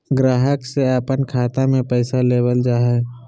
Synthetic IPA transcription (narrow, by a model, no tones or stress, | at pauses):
ɡɾaːɦəkseapənkʰaːt̪amẽpəɪsaleːbəld͡ʒaːɦɛ